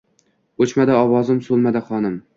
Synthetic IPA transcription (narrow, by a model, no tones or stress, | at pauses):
ot͡ʃmad̪aɒwɒzɪmsolˠmad̪aχɒnɪm